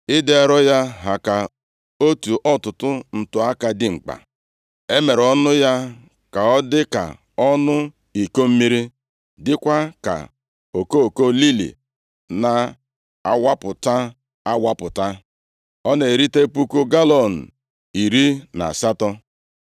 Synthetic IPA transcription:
ɪ˦de˨ɾɔ˦ja˦ɦa˨ka˨ | o˦tu˨ʔɔ˦tʊ˨tʊ˦n̩˨tʊ˨a˦ka˨dɪ˨ŋ͡m̩˨k͡pa̰˨ | e˦me˨ɾɔ˦nʊ˦ja˦ | ka˨ɔ˦dɪ˦ka̰˨ | ɔ˦nʊ˦ | i˨ko˦m̩˦mi˦ɾi˦ | dɪ˦kʷa˦ka̰˨ | o˨ko˦˨ko˦li˦lḭ˨ | na˨ | a̰˦wa˦pʊ˨ta˦ | a˦wʷa˦pʊ˨ta˦ | ɔ˦ne˨ɾi˦te˦pu˦ko˦ɡa˦lɔ˨n̩˨ | i˨ɾi˦na̰˨sa˦tɔ˦

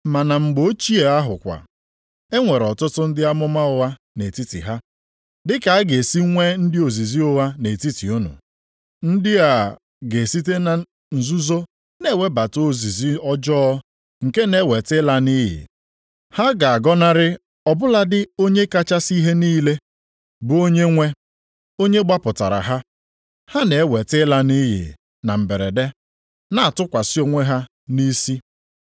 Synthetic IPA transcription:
ma˨na˨ŋ͡m̩˨ɡ͡bo˦t͡ʃi˦e˨a˦ɦʊ̰˨kʷa̰˨ | e˦ŋʷe˨ɾɔ˨tʊ˦tʊ˦n̩˦dɪ˦a˦mʊ˦ma˦ʊ˨wa˦ | ne˨ti˦tḭ˨ɦa˦ | dɪ˦ka˨a˦ɡe˨si˦ŋʷe˦n̩˦dɪ˦o˨zi˨zi˦ʊ˦wa˦ne˨ti˦ti˨ʊ˦nʊ̰˨ | n̩˦dɪ˦a˨ | ɡe˨si˦t̬e˦na˨ | n̩˨zu˦zo˦ | ne˦˨we˦ba˨to˦o˦˨zi˨zi˦ɔ˦d͡ʒɔː˦ | ŋ̩˨ke˦ne˨˦we˨tɪ˦la˦ni˦ɦɪ̰˨ | ha˦ɡa˨a˨ɡɔ˦na˦ɾɪ˦ | ɔ˨bʊ˦la˦dɪ˦o˦ɲe˦ka˦t͡ʃa˦si˦ɦe˦niː˦le˦ | bʊ˨˦o˦ɲe˦ŋʷe˦ | o˦ɲe˦ɡ͡ba˦pʊ˨ta̰˨ɾa̰˨ɦa˦ | ha˦ne˨˦we˨tɪ˦la˦ni˦ɦɪ̰˨ | na˨m̩˨be˨ɾḛ˨de˦ | na˨a˨tʊ˦kʷa˨si˦o˨˦ŋʷe˦ɦa˦ | ni˦si˦

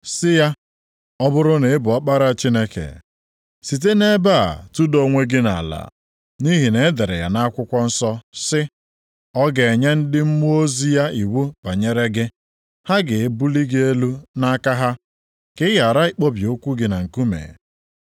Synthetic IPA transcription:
sɪ˦ja˦ | ɔ˦bʊ˦ɾʊ˦ne˨ɪ˦bʊ˨ɔ˦k͡pa˦ɾa˨t͡ʃi˦ne˦kḛ˨ | si˨t̬e˦ne˦ba˦˨a̰˨tu˦do˨ŋʷe˦ɡɪ˦na̰˨la̰˨ | ni˦ɦi˨ne˨˦de˨ɾḛ˨ja̰˨na˦kʷʊ˦kʷɔ˦n̩˦sɔ˦sɪ˦ | ɔ˦ɡe˨e˨ɲe˦n̩˦dɪ˦m̩˦mu˦o˦zi˦ja˦i˨wu˦ba˨ɲe˦ɾe˦ɡɪ˦ | ha˦ɡɪ˨e˦bu˦li˦ɡe˦e˦lu˦na˦ka˦ɦa˦ | kɪ˦ja˨ɾa˦i˨k͡po˦bi˨o˦kʷu˦ɡɪ˨na˨ŋ̩˨ku˦mḛ˨

